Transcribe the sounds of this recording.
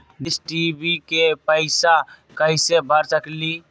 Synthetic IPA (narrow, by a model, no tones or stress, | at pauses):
nɪsʈibikepəɪsa | kəɪsebʱəɾsəkli